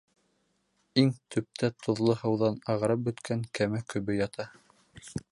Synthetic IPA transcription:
iŋt̪ʰɵ̆p̚t̪ʰæt̪ʰŏðlˠɤhɤ̆wðɑnɑʁɤ̆ɾɤp̚bɵ̆t̪kʰæŋkæmækɵ̆βɘjɑt̪ʰɑ

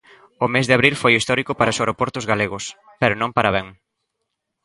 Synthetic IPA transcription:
ʊmezðɪaβɾilfojist̪ɔɾikʊpaɾɐoseɾopɔɾt̪ʊzɣaleɣʊs | pɛɾʊnõŋpaɾaβɛ̃ŋ

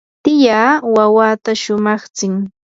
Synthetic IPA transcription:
t̪ɪjaːwawaːt̪aʃʊmɑχt͡sɪŋ

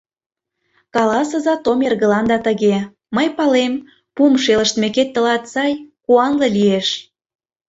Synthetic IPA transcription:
kɑlɑsɤə̆zɑt̪omerɣə̆lɑnd̪ɑt̪əɣe | məjpɑlem | pumʃelə̆ʃt̪meket̪ːə̆lɑt̪sɑjkuɑnlɤlieʃ

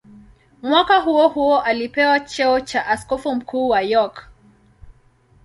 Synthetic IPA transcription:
mwakaɦuɔhuɔʔalipɛwat͡ʃɛɔt͡ʃaʔaskɔfum̩kʰuːwajɔk

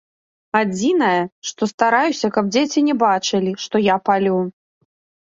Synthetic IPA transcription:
ad͡zʲinɐjɐʂt̪ɔst̪aɾajusʲɐkɐb̚d͡zʲet͡sʲinʲɛbat͡ʂɨlʲiʂt̪ɔjapalʲu

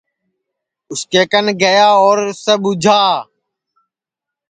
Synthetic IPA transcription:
ʊskeːkənɡəjaːoːɾsəɓʊd͡ʒʱaː

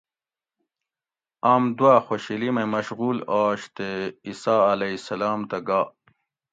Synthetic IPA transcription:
aːmd̪waxoɕilimemɐɕɣuːlaːɕt̪eisaːɐlɐisɐlaːmt̪ɐɡaː

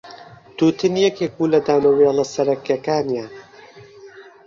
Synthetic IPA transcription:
t̪uːt̪ɨnijɛkek̚buːlɐd̪aːwnɐwjelˠɐsɐɾɐkjɐkaːnijan

